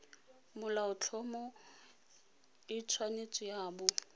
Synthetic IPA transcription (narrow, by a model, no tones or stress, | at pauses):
mʊlaʊt͡ɬʰɔmɔ | ɪt͡sʰwanet͡sʼɪjaːbʊ